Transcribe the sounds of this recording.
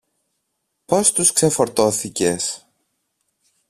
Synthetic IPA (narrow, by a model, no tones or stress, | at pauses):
po̞st̪uskse̞fo̞ɾt̪o̞θice̞s